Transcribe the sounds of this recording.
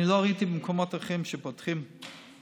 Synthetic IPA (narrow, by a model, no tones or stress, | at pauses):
iloaʁait̪ibemkʰomotaχimʃepotχim